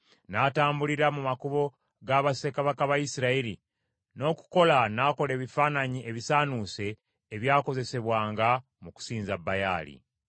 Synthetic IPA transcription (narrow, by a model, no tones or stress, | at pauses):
naːtaːmbuliɾamumakuβo̞ | ɡaβase̞kaβakaβajisiɾaiɾi | no̞ːku̥ko̞lanaːko̞le̞ːβifaːnaɲiʔe̞βisaːnuːse̞ː | βjaːko̞ze̞se̞βwaːŋɡa | muku̥siːnzabːaja̰ːlḭ